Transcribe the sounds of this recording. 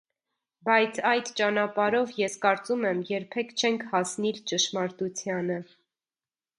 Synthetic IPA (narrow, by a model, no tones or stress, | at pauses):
bɑjt͡sʰɑjd̪t͡ʃɑnɑpɑɾɔvjɛskɑɾt͡sumɛmjɛɾpʰɛkʰt͡ʃʰɛŋkʰhɑsnilt͡ʃəʃmɑɾt̪ut͡sʰjɑnə